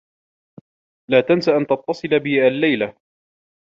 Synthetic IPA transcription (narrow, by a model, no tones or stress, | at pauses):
laːt̪ansaʔant̪ɑt̪ːɑsˤɨlbɪʔalːajla